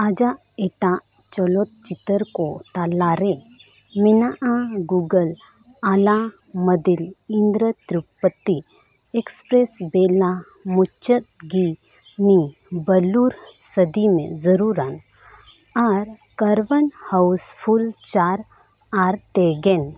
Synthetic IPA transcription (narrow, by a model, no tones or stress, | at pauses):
ad͡ʒa | eʈa | t͡ʃɔlot̪̚t͡ʃit̪əɾkot̪alaɾe | minaʔaɡuɡəl | ala | mɐd̪il | ind̪ɾət̪ɾupːət̪ːi | ekspɾesbela | mut͡ʃət̪̚ | ɡi | ni | bɐluɾ | səd̪imḛ̃zəɾuɾan | aɾ | kɐɾʋənhɐwspʰult͡ʃaːɾ | aɾt̪eɡen